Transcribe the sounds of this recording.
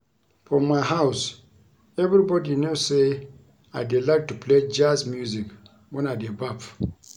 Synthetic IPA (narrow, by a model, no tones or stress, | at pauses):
fɔmajɦaws | ɛvɾibɔdinose | ajdelak̚tupled͡ʒasmjuzik | wɔ̃nadebap